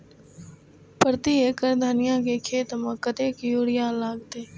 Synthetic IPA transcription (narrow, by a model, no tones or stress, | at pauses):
pəɾt̪iːeːkəɾd̪ʱənɪjãːkeːkʰeːt̪mãkət̪eːkjuːɽɪjaːlaːɡt̪eː